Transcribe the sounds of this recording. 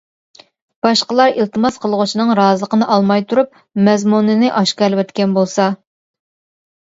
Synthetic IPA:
b̥ɑʃqəlˠɑɾilˠt̪ʰɨmɑsqʰəlˠʁʊt͡ʃʰinɨŋɾɑːzɨlˠəqʰənɨʔɑlˠmɑjt̪ʰuɾup̚ | mɛzmunɨnɨʔɑʃkɑlwɛt̪kʲɛnbolˠsɑ

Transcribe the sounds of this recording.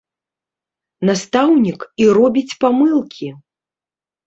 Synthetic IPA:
nast̪awnʲikiɾɔbʲit͡sʲpamɨlˠkʲi

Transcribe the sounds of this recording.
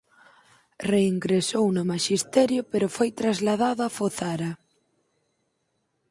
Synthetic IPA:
reiŋɡɾesownʊmaʃist̪ɛɾjʊpeɾʊfojt̪ɾazlaðaðoafoθaɾa

